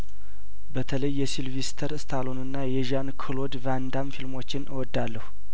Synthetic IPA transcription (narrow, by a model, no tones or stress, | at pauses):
bət̪ʰələjːɛsilvist̪ʰəɾɨst̪ʰalonɨnːajɛʒankʰɨlo̞d̪vand̪amfilmo̞t͡ʃːɪnɨwɔd̪ːalːəhu